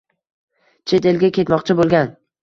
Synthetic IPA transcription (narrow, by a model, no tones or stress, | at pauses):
t͡ʃʰe̞t̪elɡʲakʲe̞t̪mɒqt͡ʃʰɪbolˠɡʲan